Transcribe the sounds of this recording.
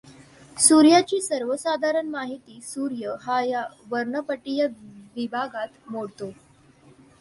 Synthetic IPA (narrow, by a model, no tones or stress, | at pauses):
suɾjat͡ɕiːsəɾʋəsad̪ʱaɾəɳmaɦit̪iːsuɾjəɦajaʋəɾɳəpəʈijəʋibʱaɡat̪moɽt̪o